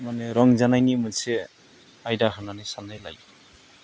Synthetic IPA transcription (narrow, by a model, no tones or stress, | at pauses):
manɛɾɔŋzanajnimunsɛ | ajdaɦananajsanajla̰j